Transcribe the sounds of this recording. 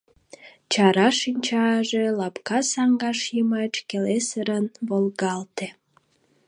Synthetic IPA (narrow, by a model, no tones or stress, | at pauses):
t͡ɕɑɾɑʃinʲt͡ɕɑʒelɑpkɑsɑŋɡɑʃjəmɑt͡ɕkelesəɾənβolɣɑlt̪e